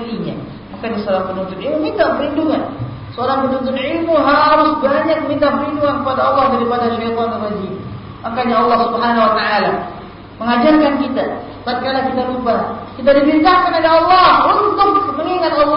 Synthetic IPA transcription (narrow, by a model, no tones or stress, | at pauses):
iɲa̰ | makadisəoɾaŋpənunt̪ʊnilmumint̪ahpəɾinduŋan | səoɾaŋpənunt̪ʊnʕilmuɦaɾʊsbaɲak̚mint̪ahpəɾinduŋankəpadaɑlːɑhdaɾipadaʃajt̪ɔnalwad͡ʒin | makaɲaɑlːɑhsubəɦanawat̪aala | məŋad͡ʒarkankit̪a | t̪arkanakit̪alubahkit̪̬adimint̪ahkanolɛɑlːɑhunt̪ʊk̚məŋiŋat̪ɑlː